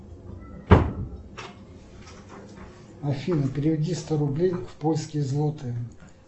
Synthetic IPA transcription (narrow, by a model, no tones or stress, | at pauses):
ɐfʲinəpʲɪɾʲɪvʲɪdʲist̪oɾʊblʲejfpolʲskʲɪjəzlˠot̪ɨ